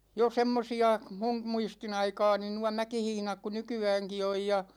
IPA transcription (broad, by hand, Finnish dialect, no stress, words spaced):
jo semːosiɑ mum muistin ɑikɑːni nuɑ mækihihĭnɑk ku nykyæːŋki oj jɑ